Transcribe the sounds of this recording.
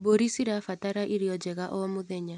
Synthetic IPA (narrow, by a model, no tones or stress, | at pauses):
boɾisiɾafataɾaʔiɾijɔd͡ʒɛɣaʔɔɔmʊðɛɲa